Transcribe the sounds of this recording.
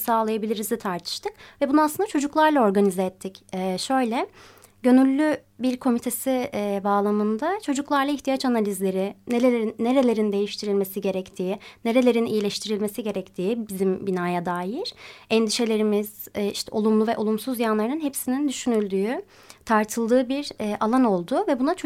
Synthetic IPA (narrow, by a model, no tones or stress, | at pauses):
saːlˠajabilʲiɾizit̪ʰaɾt̪ʰɯ̥ʃt̪ʰɯk̚vɛbunuaslɯnd̪at͡ʃʰo̞d͡ʒuklˠaɾlˠao̞ɾɡanizɛɛt̪ʰːicɛʃø̞jlʲɛ | ɟø̞nylʲːybiɾkʰo̞mit̪ʰe̞sibaːlˠamɯnd̪at͡ʃʰo̞d͡ʒuklˠaɾlˠaiçt̪ʰijat͡ʃanalʲizlʲe̞ɾɪneleenːe̞ɾe̞lʲe̞ɾind̪e̞jiʃt̪ʰiɾilʲme̞siɟe̞ɾɛct̪ʰiːne̞ɾe̞lʲe̞ɾinḭjilʲɛʃt̪ʰiɾilʲme̞siɟe̞ɾɛct̪ʰiːbizimbinaːjad̪aːjiɾ̥ɛnd̪iʃe̞lʲe̞ɾimiz̥ɛiʃt̪ʰɛo̞lˠumlˠuvɛʔo̞lˠumsuzjanlˠaɾɯnɯnɦepsinind̪yʃynylʲd̪yː | t̪ʰaɾt̪ʰɯlˠd̪ɯːbiɾɛːʔalˠano̞lˠd̪uvɛbunat͡ʃʰ